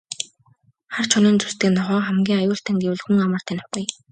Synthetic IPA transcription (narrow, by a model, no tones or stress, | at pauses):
χar̥t͡ɕʰɔniːnt͡sust̪ɘ̆ːnɔʁœːχæmɡʲiːŋajʊːɬt̪ʰæ̆ŋɡ̪uwɮxuŋamə̆r̥t̪ʰænʊ̥χɡuj